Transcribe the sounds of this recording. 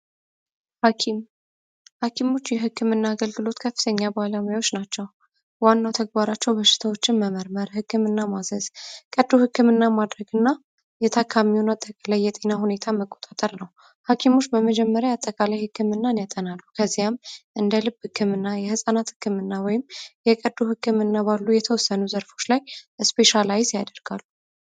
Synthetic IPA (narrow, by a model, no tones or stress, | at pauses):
hakʰimo̞t͡ʃːjɛɦɨkʰːɨmɨnːaːɡəlɡɨlo̞t̪kʰəfːɨt̪ʰəɲːabaləmujawo̞t͡ʃːnat͡ʃːɛw | wanːawt̪ʰəɡ̚baɾat͡ʃːɛwbəʃːɪ̥t̪ʰawo̞t͡ʃːɪnməməɾməɾhɨkːɨmɨnːamazəz̥kʼəd̪ːuhɨkːɨmɨnːamad̪ɾəɡɨnːa | jɛt̪ʰakʰːamiwunat̪ʼːəkʼalajːɛt̪ʼe̞nahune̞t̪ʰaməkʼːot̪ʼat̪ʼəɾnəw | hakʰimo̞t͡ʃːbəməd͡ʒɛmːəɾjaat̪ʼːəkʼalajhɨkːɨmɨnːanjat̪ʼənalːukʰəzːijamʔɨnd̪əlɨbhɨkʰːɨmɨnːajɛhɨsʼanat̪hɨkːɨmɨnːawɔjɪmjɛkʼəd̪uhɨkːɨmɨnːabalːujɛt̪ʰəwɔsːənuzəɾfo̞t͡ʃːlajɨspʰe̞ʃalajzjad̪əɾɡ̥alːu